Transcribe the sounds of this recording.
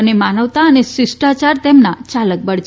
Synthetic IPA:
ənemanəʋt̪aənesɪsʈat͡ʃaɾt̪emnat͡ʃalək̚bəɽt͡ʃ

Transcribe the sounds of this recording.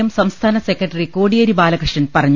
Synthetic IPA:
ɐmsɐmst̪ʰaːnɐsekːrɐʈːɐrikoːɽijɐɾibaːlɐkrɨʂnɐnpɐrɐɲː

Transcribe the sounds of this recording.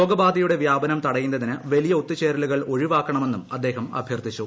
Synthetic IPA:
o̞ːɡɐbaːd̪ɐjuɽe̞ʋjaːbɐnɐmt̪ɐɽɐjunːɐðinɨʋɐlijɐut̪ːit͡ɕeːɾɐluɣɐɭo̞ɻiʋaːkːɐɳɐme̞nːumɐd̪ːe̞ːɦɐmɐ̰bʱjɐrt̪it͡ɕːu

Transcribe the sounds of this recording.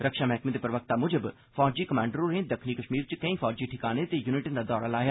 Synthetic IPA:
ɾəkʃaːmɛɦkmẽːd̪eːpɾəʋək̚t̪aːmʊd͡ʒəb | fʰɔːd͡ʒiːkəmãːɳɖəɾõnẽd̪əkʰniːkəʃmiːɾt͡ʃkəĩːfʰɔːd͡ʒiːʈʰɪkaːnet̪ejuːnɪʈənd̪aːd̪ɔːɾaːlaːjaː

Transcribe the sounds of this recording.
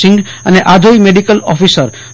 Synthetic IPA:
ɪ̃ŋɡ | əneʔad̪ʱoimeɖikəlɔfisəɾ

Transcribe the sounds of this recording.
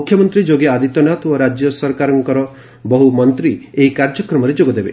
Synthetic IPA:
mukʰjɔmɔnt̪ɾid͡ʒoɡead̪it̪ɔnat̪oɾad͡ʒjɔsɔɾkaɾɔŋkɔɾɔ | bɔɦumɔnt̪ɾieɦikaɾd͡ʒɔkɾɔmɔɾed͡ʒoɡɔd̪ebe

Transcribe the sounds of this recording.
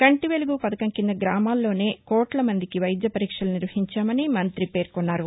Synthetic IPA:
kɐɳʈiʋeluɡupɐd̪ɐkɐŋkind̪ɐɡɾaːmaːlːo̞ːne̞ːkɔːʈlɐmɐnd̪ikiʋɐjd̪jɐpɐɾiːkʂɐluniɾʋɐɦiɲt͡ʃaːmɐnimɐnt̪ɾipe̞ːɾkɔnːaːɾu

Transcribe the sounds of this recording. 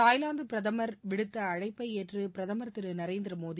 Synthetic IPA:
aːjlaːnd̪ɯpɪɾɐðɐmɐɾʋɪɽɯt̪ːɐːɻɐɪpːɐɪeːʈrɯpɪɾɐðɐmɐɾɐt̪ːɪɾɯnɐɾeːnd̪ɪɾɐmoːði

